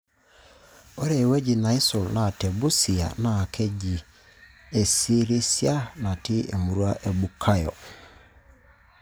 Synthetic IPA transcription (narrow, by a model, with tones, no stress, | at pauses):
ɔ˦ɾɛ˨we˦ɟi˨nã˨ɪ˦sʊ˨lnã˨tɛ˨bu˦si˨a̰˨nã˨kʰɛ˦ɟi˨ | e˨si˦ɾi˦si˦a˦nã˨tɪ˦e˨mu˨ɾu˦a˦ʔe˨bu˨kʰa˦jɔ̰˨